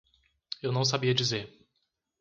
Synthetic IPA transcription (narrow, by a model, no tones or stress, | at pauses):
ewnɐ̃w̃s̬abiɐd͡ʒizeɾ